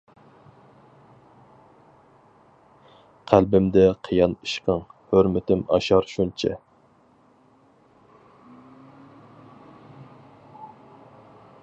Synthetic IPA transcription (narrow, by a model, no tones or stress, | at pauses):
qʰælbɪmd̪ɛqʰijɑniʃqəŋhøɾmɪt̪ʰɪmɑ̰ʃɑɾʃunt͡ʃʰɛ̰